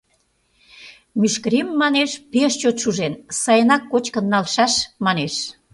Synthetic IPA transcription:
myʃkəɾemːɑneʃpeʃt͡ɕot̪ʃuʒensɑjənɑkːot͡ɕkənːɑlʃɑʃmɑneʃ

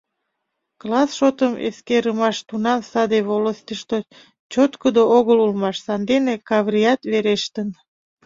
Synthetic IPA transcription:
klɑsʃot̪əmḛskeɾəmɑʃt̪unɑmsɑd̪eβoləst̪əʃt̪o | t͡ɕot̪kəd̪ooɣəlulmɑʃsɑnd̪enekɑβrijɑt̪βeɾeʃt̪ən

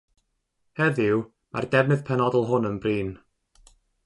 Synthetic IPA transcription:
hɛðɪw | ma̰rd̥ɛvnɨð̥pʰɛnɔdəlˠɦʊnənbriːn

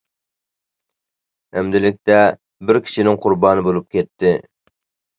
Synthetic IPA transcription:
æmd̪ɪlɪk̚ʲt̪ɛ | bɪɾkʲʰi̥ʃinɪŋqʰʊɾbɑːnɨbolˠup̚kʲʰɛt̪ʰːɪ

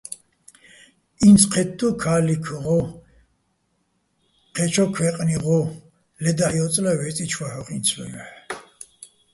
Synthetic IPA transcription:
int͡sʰʼqʰɛt̪d̪ukʰaːlikʰʁɔ | qʰɛt͡ʃʰɔkʰwɛqʼniʁɔ | lɛd̪ahjɔt͡s̪ʼlawɛt͡sʼit͡ʃʰwahɔχint͡sʰwɛ̰lɛ

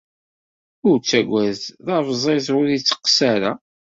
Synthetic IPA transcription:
ʊɾt͡sːæɡʷæzðɑɾvzˤezʊɾit͡sːə̥qːsaɾa̰

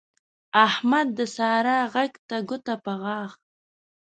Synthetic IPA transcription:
ahmad̪ːəsɑɾaɣaɡt̪aɡʊt̪apəɣɑːɣ

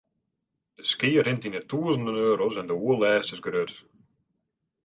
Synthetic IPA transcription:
d̥əskɪːɾɪ̃ntinətuːəzəndənøːɾozəndəwuəlˠɛːstɪzɡɾøt

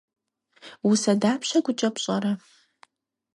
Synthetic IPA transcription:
wʊsɐdaːpʰɕɐɡʷʊt͡ʃʼɐpɕʼɐɾɐ

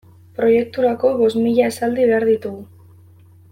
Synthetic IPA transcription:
pɾo̞je̞k̚t̪uɾako̞βo̞smiʎae̞sald̪iβe̞aɾðit̪uɣu

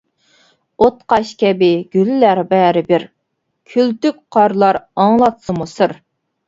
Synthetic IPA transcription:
ot̪qɑʃkʲɛbɪɡʲyllæɾbɛɾɪbɪɾ | kʲʰylt̪yk̚ʲqʰɑɾlˠɑɾɑŋlˠɑt̪sɨmusɨɾ

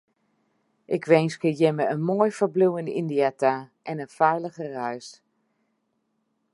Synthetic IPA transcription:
ʔɪkʰʋejnskəjɪməənmoːjfəbluwənḭndiataʔɛnənfɛjləɣərœɥs

